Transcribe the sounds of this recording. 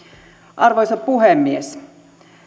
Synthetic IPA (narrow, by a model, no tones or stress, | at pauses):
ʔɑrʋojsɑppuɦemːies